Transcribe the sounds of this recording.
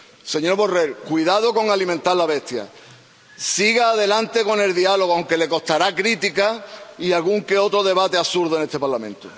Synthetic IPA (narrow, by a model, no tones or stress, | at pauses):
se̞ɲo̞ɾβore̞lkwiðað̞oko̞ŋalimẽnt̪alaβe̞st̪ja̰ | siɣaːðe̞lant̪e̞ko̞ne̞lðialo̞ɣ̞oawŋke̞le̞ko̞st̪aɾakɾit̪ikaialɣuŋke̞o̞t̪ɾoð̞e̞β̞at̪e̞asuɾðoene̞st̪e̞paɾlamẽ̞nt̪o